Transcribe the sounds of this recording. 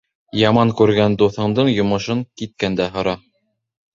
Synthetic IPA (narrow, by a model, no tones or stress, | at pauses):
jɑmɑŋkʉɾɡænd̪uθɤ̆ɴd̪ɤɴjŏmɤ̆ʃɤŋkit̪̚kænd̪æɦŏɾɑ